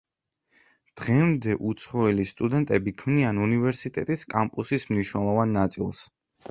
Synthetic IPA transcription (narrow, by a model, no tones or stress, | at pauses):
d̪̥ʁɛmd̪ɛʔut̪sʰχɔɛlist̪ʼud̪ɛnt̪ʼɛbikʰmnianunivɛɾsit̪ʼɛt̪ʼiskʼampʼusismniʃnɛlˠɔvanːat̪sʼḭlˠs